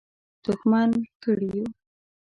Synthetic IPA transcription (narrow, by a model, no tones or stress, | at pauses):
t̪ʊxmɑnkəɽiju